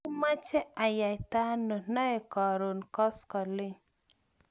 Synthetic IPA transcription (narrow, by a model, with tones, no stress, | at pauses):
u˦ma˦t͡ʃɛ˦a˨ja˨jt̪a˦no˨nɔ˦e˨kɔ˨ɾo˨nkɔ˦skɔ˨li˦